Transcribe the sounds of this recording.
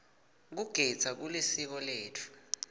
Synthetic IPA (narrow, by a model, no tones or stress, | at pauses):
k̬uɡ̥ʱi̥z̥ʰʱak̬ulisik̬ɔleːtʰu̥